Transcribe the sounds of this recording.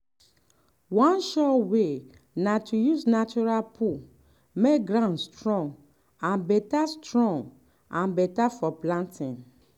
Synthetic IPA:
wɔ̃nʃɔtwe | natʰujusnat͡ʃuɹalpʰu | mekɡɾãnstɹɔ̃ŋɡ | ãnbɛtastɹɔ̃ŋɡ | ãnbɛtafɔplãntĩn

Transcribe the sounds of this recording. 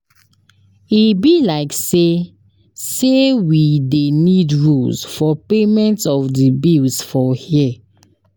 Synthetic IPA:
ibilaɪkse | sewidenidɹulsfɔpemɛ̃ntɔfdibilsfɔhiɛ

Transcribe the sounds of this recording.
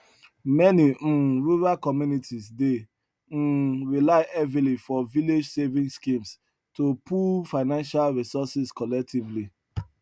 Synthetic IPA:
mɛniɹuɹalkɔmjunitʰisde | ɹilaɪʔɛvilifɔviled͡ʒsevĩŋskĩms | topʰulfaɪnãnʃalɹisɔsiskɔlɛk̚tʰivli

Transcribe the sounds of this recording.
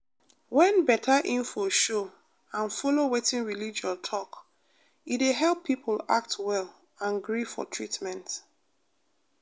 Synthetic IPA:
wɛ̃nbɛtʰaʔĩnfoʃo | ãnfolowetĩnɹilid͡ʒaltʰɔk | iteɦɛlˠpʰːipʰla̰k̚twɛl | ãnɡɹifɔ̰tʰɹitmɛ̃nt

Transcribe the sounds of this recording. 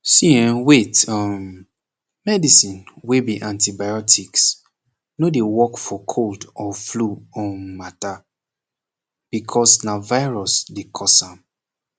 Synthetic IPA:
siɛ̃wetɔm | mɛdisĩnwebiʔãntibajɔtʰiks | nodewɔkfɔkʰoldɔfluɔ̃nmata | b̥ikʰɔsnavaɪɹɔsdekʰɔsãm

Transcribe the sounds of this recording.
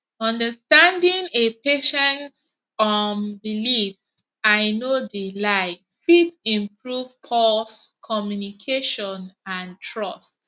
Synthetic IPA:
ɔ̃ndəstãndĩŋepeʃɛ̃nt | ɔmbilifs | aɪnodilaɪ | fitĩmpɹuv̥pʰɔskʰɔmjunikʰeʃɔ̃nãntʰɹʌst

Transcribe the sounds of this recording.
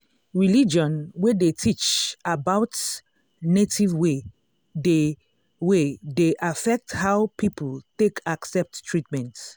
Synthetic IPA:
ɹilid͡ʒɔ̃nwedetʰit͡ʃabaʊt | netʰivwe | de | wedeʔafɛk̚thaʊpʰipəltekʰaksɛp̚ttʰɹitmɛ̃nt

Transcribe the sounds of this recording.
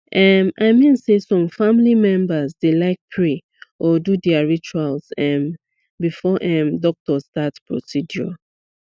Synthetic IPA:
ʔɛmaɪmĩnsesɔ̃mfãmlimɛ̃mbəzdelaɪk̚pʰɹe | ɔdudɛaɹit͡ʃualsɛ̃m | bifɔʔɛ̃mdɔk̚tɔstatpɹo̰sidjɔ̰

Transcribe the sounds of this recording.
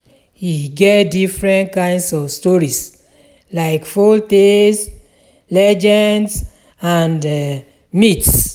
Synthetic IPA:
hiɡɛtdifɹɛ̃ntkãɪ̃ndsɔvstɔɹis | laɪkfoltes | lɛd͡ʒɛnds | ãnd | mits

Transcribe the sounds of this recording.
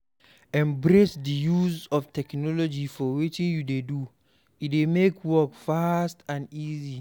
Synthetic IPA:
ɛ̃mbɾesdijuzɔftʰɛknɔlɔd͡ʒifɔwit͡ʃĩnjudedu | itdemekʰwɔkfastãnizi

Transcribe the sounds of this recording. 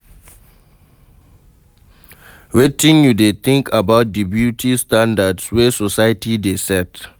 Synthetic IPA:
ɹetĩŋjudet̪ĩŋkʰabaʊt̚dibjutʰistãndadswɛsɔsaɪtʰidesɛt

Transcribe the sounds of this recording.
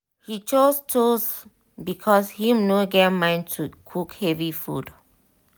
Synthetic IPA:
hit͡ʃostos | bikʰɔshĩmnoɡɛmãɪ̃ntʰukʰukhɛvifṵd

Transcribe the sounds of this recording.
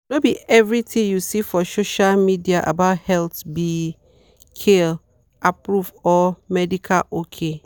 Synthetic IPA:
nobiɛvɹitʰĩjusifɔsoʃalmidiaʔa̰baʊthɛltbi | kʰel | apɹuvɔmɛdikʰa̰lokʰe

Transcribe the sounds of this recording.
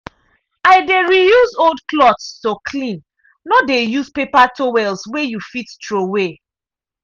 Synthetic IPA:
aɪdeɹijuzoldklɔtstokʰlĩn | nodejuzpepatowɛlswejufittɹowe

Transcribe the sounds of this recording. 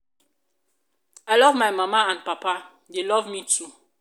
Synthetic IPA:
ajlɔvmajmamaãnpapa | delɔvmitʰu

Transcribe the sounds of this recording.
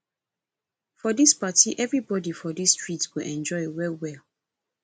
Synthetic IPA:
fɔdispatiʔɛvɹibɔdifɔdisːtɹitwiʔɛ̃nd͡ʒɔɪwɛwɛl

